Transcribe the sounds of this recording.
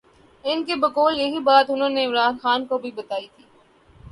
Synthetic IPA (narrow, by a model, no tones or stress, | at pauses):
ɪnkebɐkoːljɐɦibaːt̪ʊnɦõːneɪmɾaːnxaːnkobʱibɐt̪aːit̪ʰiː